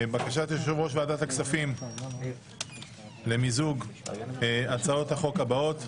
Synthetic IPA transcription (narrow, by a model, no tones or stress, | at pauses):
bakaʃat̪jeʃʃovʁo̞ʃveadataksafim | le̞mizuɡ | at͡sao̞thaχo̞kabao̞t̪